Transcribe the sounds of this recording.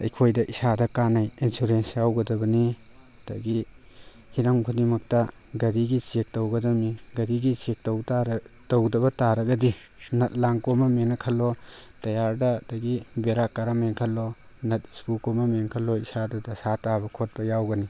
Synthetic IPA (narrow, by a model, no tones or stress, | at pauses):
ɐ̰jkʰojdɐʔisadɐkanɐjinsuɾensjawɡɐdɐbɐni | d̥ɐ̰ɡi | hiɾɐŋkʰudimɐk̚tɐ | ɡɐɾiɡit͡ʃek̚tɐwɡɐdɐmiɡɐɾiɡit͡ʃek̚tɐwtaɾtɐwdɐbɐtaɾɐɡɐdi | nɐt̚laŋkomɐmenɐkʰɐlotɐjaɾdɐdɐɡibeɾakaɾameŋkʰɐlo | nɐt̚ispukomɐmenkʰɐloisadɐdɐsatabɐkʰot̚bɐjawɡɐni